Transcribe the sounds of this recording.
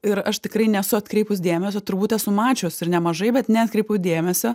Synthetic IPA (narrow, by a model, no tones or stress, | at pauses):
ɪɾɐʃt̪ʲɪkɾɐɪnʲɛsʊɐt̪ʲkɾʲɛɪpʊs̬d̪ʲeːmʲɛs̬ʲot̪ʊɾbuːt̪ʲɛsʊmɑːt͡ʃʲoːsɪɾnʲɛmɐʒɐɪbʲɛt̪nʲɛɐt̪̚ʲkɾʲɛɪpɐʊd̪ʲeːmʲɛsʲoː